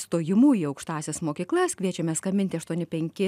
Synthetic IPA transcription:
st̪oːjɪmuːjiɐʊkʃt̪ɑːsʲesmoːkʲiːklˠɐskʲʋʲiɛt͡ʃʲɛmʲɛskɐmʲɪnʲt̪ʲɪɐʃt̪uɔnʲɪpʲɛŋʲkʲɪ

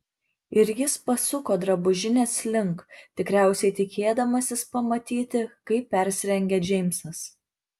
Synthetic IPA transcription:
ɪɾʲjɪspɐsʊkoːd̪ɾɐbʊʒʲɪnʲeːslʲɪŋˑkt̪ʲɪkɾʲæˑʊsʲɛɪt̪ʲɪkʲeːd̪ɐmɐsʲɪspɐmɐt̪ʲiːt̪ʲɪkɐɪpʲːɛɾʲsʲɪɾʲɛŋʲɡʲɛd͡ʒʲɛɪmʲsɐs

